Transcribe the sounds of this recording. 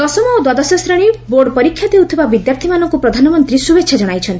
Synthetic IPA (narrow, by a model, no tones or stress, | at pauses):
ɔsɔmɔod̪wɔd̪ɔsɔsɾɔɽ̃iboɾɖpɔɾikʰːjad̪ewt̪ʰibabid̪japɾt̪ʰimanɔŋkupɾɔd̪ʱanɔmɔnt̪ɾisubekt͡ʃʰad͡ʒɔɽ̃ajt͡ʃʰɔnt̪i